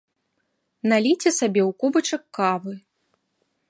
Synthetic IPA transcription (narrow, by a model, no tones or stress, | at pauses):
nalʲit͡sʲɛsabʲɛwkubɐt͡ʂɐkːavɨ